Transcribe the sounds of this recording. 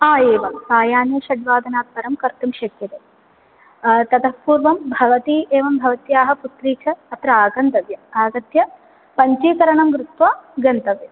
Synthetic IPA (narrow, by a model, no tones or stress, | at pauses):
aːeːʋɐmsaːjaːneːʃɐd̪ʋaːd̪ʱɐnaːt̪̚pɐɾɐmkɐɾt̪umʃɐkjɐt̪eː | t̪ɐd̪ɐspuːɾʋɐmbʱɐʋɐt̪ieːʋɐmbʱɐʋɐt̪jaːɦɐ̆put̪ɾiːt͡ʃʰɐːt̪ɾɐaːɡɐnt̪ɐʋjɐaːɡɐt̪jɐ | pɐɲt͡ʃiːkɐɾɐɳɐmɡɾut̪ʋaːɡɐnt̪ɐʋe